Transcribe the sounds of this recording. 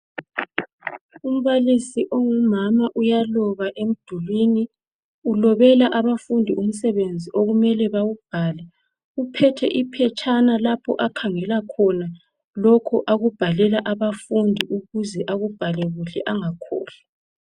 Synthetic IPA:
um̩βalisiʔoŋumamaʔujalɔɣaʔem̩d̥ʱulwiːni | ulɔβɛlaʔaβafundʱium̩sɛβend͡zʱiʔoɣumɛlɛβaɣub̥ʱaːlɛ | upʰɛtʰɛ̰ʔipʰɛt͡ʃʼʰanalapʰɔ̰ʔakʰaŋɛlakʰɔna | lɔkʰɔʔaɣub̥ʱalɛlaʔaβafundʱiʔuɣuzɛʔaɣub̥ʱalɛɣuɬɛʔaŋakʰɔ̰ːɬḁ

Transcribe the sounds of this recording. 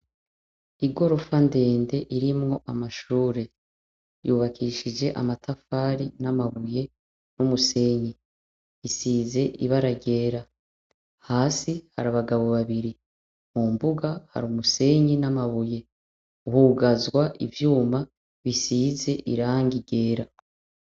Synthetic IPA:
iɡo̞ɾo̞fande̞ːnde̞ʔiɾimŋo̞ʔamaʃuːɾe̞ | juβakʰiʃid͡ʒe̞ʔa̰matʰafaːɾinamaβuje̞ | numuse̞ɲi | isiːze̞ʔiβaɾaɟe̞ːɾa | haːsihaɾaβaɡaβo̞βaβiɾi | mumbuɡaha̰ɾumuse̞ɲinamaβuje̞ | uhuɡazwaʔivjuːma | βisiːze̞ʔḭɾaːŋɡiɟe̞ːɾa

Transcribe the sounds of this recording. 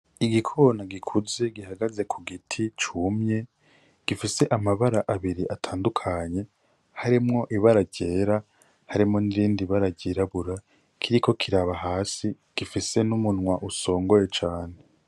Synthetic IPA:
iɡikʰo̞naɡikʰuze̞ɡiɦaɡaze̞kʰuɡitʰit͡ʃumɲe̞ | ɡ̥ifise̞ʔamaβaɾaʔaβiɾiʔatʰaːndukʰaɲe̞ | haɾimŋo̞ʔiβaɾaɟe̞ːɾa | haɾimŋo̞niɾiːndiβaɾaɟiɾaβuɾa | kʰiɾikʰo̞kʰiɾaβaɦaːsi | ɡ̥ifise̞numunŋwaʔuso̞ːŋɡo̞je̞t͡ʃaːn̞e

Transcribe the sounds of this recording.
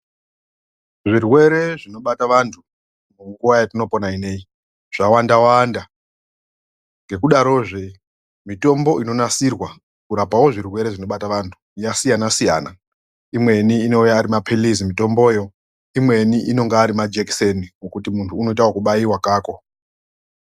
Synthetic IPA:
ʐirwe̞ɾe̞ʐino̞ɓataʋantʰu | muŋɡuʋajatino̞po̞naine̞i | ʐ̥awandawanda | ŋɡe̞kuɗaɾo̞ːʐe | mito̞mbo̞ʔino̞nasirwa | kuɾapawo̞ʐirwe̞ɾe̞ʐino̞ɓataʋantʰu̥jasijanasijaːna | imwe̞niːno̞ujaːɾimapʰelizimito̞mbo̞ːjo̞ | imwe̞niʔino̞ŋɡaːɾimad͡ʒekseniŋokutimuntʰuːno̞itawokuɓaiwakaːko̞

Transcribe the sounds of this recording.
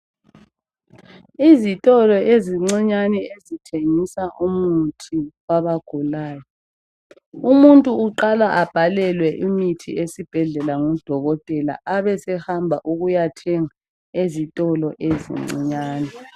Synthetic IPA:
izitʼɔlɔʔeziŋ͡ǀiɲanɛezitʰeŋisaʔumutʰiwaβaɡ̥ʱulaːjɔ | umuntʼuːǃalaʔab̥ʱalɛlwɛʔimitʰḭesib̥ʱɛɮɛlaŋɔd̥ʱɔɣɔtʼɛla̰ʔaβɛsɛhambʱaʔuɣujatʰɛŋa | ezitʼɔlɔʔezḭŋ͡ǀḭɲaːnɛ

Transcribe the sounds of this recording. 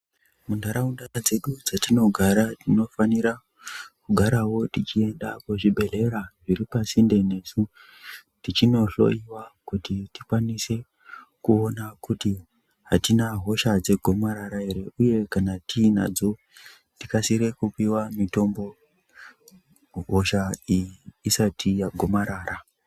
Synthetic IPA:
mundʱaɾaundad͡ze̞ɗud͡zatino̞ɡʱaɾatino̞faniɾa | kuɡʱaɾawo̞tit͡ʃie̞nɗapoʐibʱe̞ɮe̞ɾaʐiripasinde̞ne̞su | tit͡ʃino̞ɬo̞̰iwakutitikwanise̞ | kuonakuti | ɦatinaɦo̞ʃad͡ze̞ɡʱo̞maɾaɾaɦe̞ɾe̞ʔuje̞kanatʰiːna̰d͡zo̞ | tikasiɾe̞kupiwamito̞mbo̞ | ɦo̞ʃaijiːsatʰijaɡʱo̞maɾaːra

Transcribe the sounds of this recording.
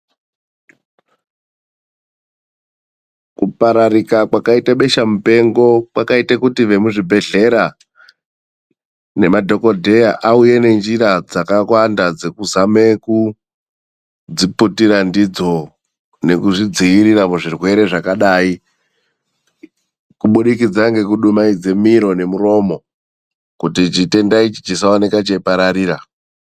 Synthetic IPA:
kupaɾaɾikakwakaitaɓe̞ʃamupe̞ŋɡo̞kwakaitakutiʋe̞muʐibʱe̞ɮe̞ɾa | ne̞madʱo̞kodʱe̞jaʔauje̞ne̞nd͡ʒiɾad͡zakakwandad͡ze̞kuzame̞ku | d͡ziputiɾandid͡zo̞ | ne̞kuʐid͡ziʋiɾiramuʐirwe̞ɾe̞ʐakaɗaːi | kuɓuɗikid͡zaŋɡe̞kuɗumaid͡ze̞miɾo̞ne̞muɾo̞mo̞ | kutit͡ʃite̞ndait͡ʃi̥d͡ʒisaone̞kat͡ʃeipaɾaɾiːɾa

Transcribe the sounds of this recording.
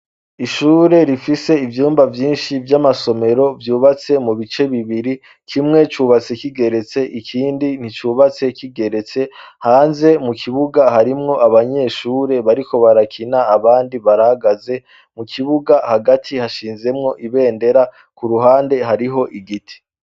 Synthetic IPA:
iʃuːɾe̞ɾifise̞ivjuːmbavjiːnʃivjamaso̞me̞ɾo̞vjuːβat͡se̞muβit͡ʃe̞βiβiɾi | kʰimŋe̞t͡ʃuːβat͡se̞kiɡe̞ɾe̞t͡se̞ʔikʰiːndin̥it͡ʃuːβat͡se̞kiɡe̞ɾe̞t͡se̞haːnze̞mukʰiβuɡahaɾimŋo̞ʔaβaɲe̞ʃuːɾe̞βaɾiko̞βaɾakʰinaːβaːndiβaɾahaɡaze̞ | mukʰiβuɡahaɡatʰihaʃiːnze̞mŋo̞ʔiβe̞ːnde̞ɾa | kuɾuɦaːnde̞ɦaɾiɦo̞ʔiɡitʰi̥

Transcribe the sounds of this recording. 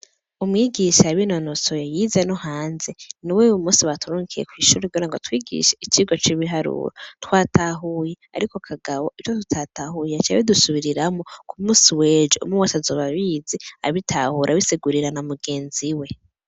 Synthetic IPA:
umŋiːɡiʃaβinonosojajizenohaːnzeniwewumuːsiβatuɾuːŋkijḛkwiːʃuɾeɡoɾaŋɡotwiːɡḭʃeit͡ʃiɡot͡ʃiβiɦaɾṵːɾotwaːtaɦujea̰ɾikokʰaɡawoit͡ʃotutʰatahujeat͡ʃaβidusuβiɾiɾamokʰumuːsiweːd͡ʒo̰muwasazoβaβiːzea̰βitʰahuɾʔaβiseɡuɾiɾanamuɡe̞ːnziwe̞

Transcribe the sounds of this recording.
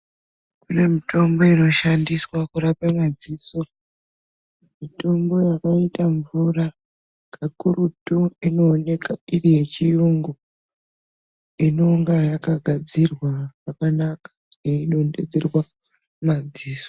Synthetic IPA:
kune̞mito̞mbo̞ino̞ʃandiswakurapamad͡ziso | mmito̞mbo̞jakaitaɱvura | kʰakurutoino̞ːne̞kairije̞t͡ʃijuŋɡo | ino̞ŋɡajakaɡʱad͡zirwarakanakḁ | neino̞nde̞̰d͡zerwa | mad͡ziːso

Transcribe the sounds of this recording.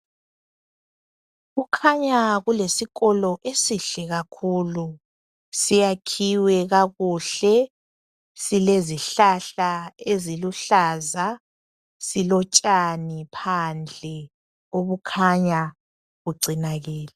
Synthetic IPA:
ɣukʰaɲaɣulesiɣɔlɔʔesiɬɛɣakʰulu | sijakʰiwɛɣaɣuɬɛ | sileziɬaɬaeziluɬaːza | silɔt͡ʃʼanipʰand͡ɮʱɛ | oβukʰaɲa | ɣuǀʱinaɣɛːlɛ

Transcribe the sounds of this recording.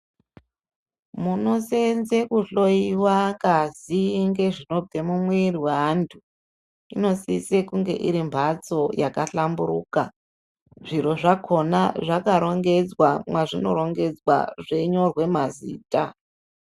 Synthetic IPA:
muno̞se̞nzekuɬo̞iwakaziŋɡe̞ʐino̞b͡ve̞mumweiriwantʰu | ino̞sisekuŋɡe̞̰ʔiɾimbʱat͡so̞jakaɬambuɾuːka | ʐ̥iro̞ʐakʰo̞naʐakaɾo̞ŋɡe̞d͡zwamwaʐino̞̰ɾo̞ŋɡe̞d͡zwa̰ʐe̞ɲo̞rwe̞mazḭːta

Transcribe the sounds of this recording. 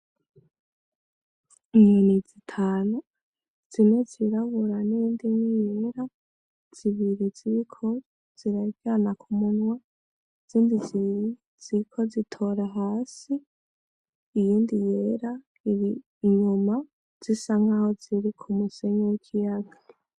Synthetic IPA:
imenizitʰaːnu | z̥ine̞ziɾaβuɾanijiːndiɲijeɾa | z̥iβiɾiziɾikʰo | z̥iɾaivjanakʰumuɲwa | z̥iːndizeji | z̥iikʰo̞zitʰo̞ɾaɦaːsi | jiːndije̞ɾa | iɾiː | ɲuma | z̥isaŋaho̞ziɾikʰumuse̞ɲewikʰijaɡa

